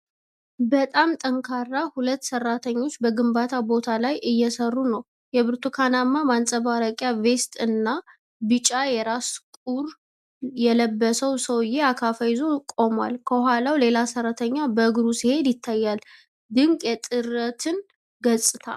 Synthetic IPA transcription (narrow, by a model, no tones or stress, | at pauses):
bət̪ʼamt̪ʼəŋkʰarːahulət̪ːsərːat̪ʰəɲːo̞t͡ʃːbəɡɨmbat̪ʰabo̞t̪ʰalajɨjːɛsərːunəw | jɛbɨɾt̪ʰukʰanamːamansʼəβaɾəkʼjave̞st̪ʼɨnːa | bɨt͡ʃʼajɛɾaskʼuɾ | jɛləbːəsəwsəwɨjːeakʰafəjɪzo̞kʼo̞mwa̰lkʰəhalawle̞lasərːat̪ʰəɲːabəɨɡɾusihe̞d̪jɪt̪ʰːajːal | d̪ɨŋkʼjɛt̪ʼɨɾət̪ʰɨn | ɡəsʼɨt̪ʰa̰